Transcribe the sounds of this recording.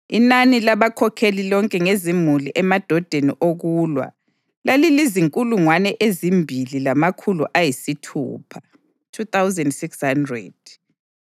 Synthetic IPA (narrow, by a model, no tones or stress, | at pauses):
inanilaβakʰɔkʰelilɔŋkʼɛŋezimuliʔɛmad̥ʱɔd̥ʱenḭʔoɣuːlwa̰ | laliliziŋkʼuluŋwanɛʔezimbʱililamakʰuluʔajisitʰṵːpʰḁ | tʰutawzɛndsikshandrɛ̰d̥